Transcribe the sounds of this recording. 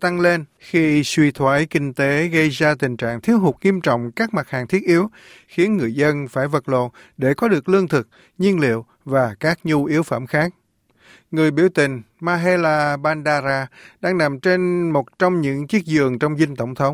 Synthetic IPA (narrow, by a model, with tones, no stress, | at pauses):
t̪a˧ŋle˧nxi˧swi˧˩t̪ʰwaː˧˥˦jkï˧ŋ̟t̪e˨˦ɣə˧jzaː˧t̪ï˨˩ŋ̟t͡ɕa̰ː˧˨ŋt̪ʰi˨˦əwhʊ˨˩k͡p̚ŋi˧əmt͡ɕɔ̰˧˨wŋ͡mkaː˦˥k̚ma˨˩t̚haː˨˩ŋt̪ʰi˦˥ət̚ʔi˨˦əw | xi˨˦ənŋɨ˨˩əjzə˧nfaː˧˩jvə˨˩t̚lo̰˧˨n | ɗe˧˩kɔ˨˦ɗɨ˨˩ək̚lɨ˧əŋt̪ʰɨ˨˩k̚ | ɲi˧ənlḭ˧˨əw | vaː˨˩kaː˦˥k̚ɲu˧ʔi˨˦əwfə̰˧˩mxaː˦˥k̚ | ŋɨ˨˩əjɓi˧˩əwt̪ï˨˩ŋ̟maː˧ɦe˧laː˧ɓaː˧nɗaː˧zaː˧ɗaː˧ŋna˨˩mt͡ɕe˧nmo˨˩t̚t͡ɕɔ˧wŋ͡mɲɨ̰˧˥ŋt͡ɕi˦˥ək̚zɨ˨˩əŋt͡ɕɔ˧wŋ͡mzï˧ŋ̟t̪ə̰˧˩wŋ͡mt̪ʰə˨˦wŋ͡m